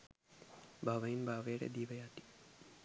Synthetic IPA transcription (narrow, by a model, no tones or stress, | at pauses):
bʱaʋəinbʱaːʋeːɽḛd̪iːʋɐjaːt̪i̥